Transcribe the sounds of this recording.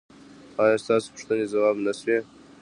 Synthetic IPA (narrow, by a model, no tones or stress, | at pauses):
ɑːjɑ̃st̪ɑːso̥pə̥ʂt̪ənezawɑːbnase